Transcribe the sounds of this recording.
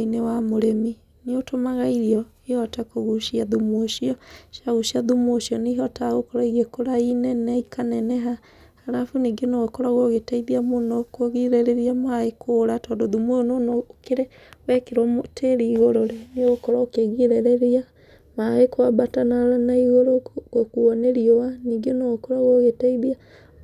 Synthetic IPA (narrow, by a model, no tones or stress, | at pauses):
inewamoɾemi | neotomaɣaiɾiɔ | ehɔtakoɣuʃiaðumoʃiɔʃaɣuʃiaðumoʃiɔneɦɔtaɣokɔɾaiɣekoɾainɛnɛikʰanɛnɛɦa | haɾafuniɡenoɣokɔɾaɣoɣetaiðiamonɔkoɣiɾeɾeɾiamaekʰoːɾatɔːndoðumoononokeɾe | wɛkeɾwaotʰeɾiːɣoɾoɾeneoɣokɔɾaokeɣiɾeɾeɾia | maekwabatanaɾanaiɣoɾoɣokuɔneɾiowaniɡenoɣokoɾaɣoɣetaiðia